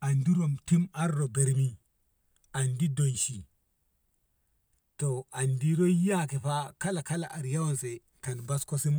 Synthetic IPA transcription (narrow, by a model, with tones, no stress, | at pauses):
a˨ndi˦ɾo˨mti˦ma˦ɾːo˨be˨ɾmi˦ | a˨ndi˦do˨nʃi˨ | to˨a˨ndi˦ɾo˦ja˦ke˨fa˦ka˦la˨ka˦la˨ʔa˨ɾja˦wo˦nse˨ | ka˨nba˦sko˦si˦m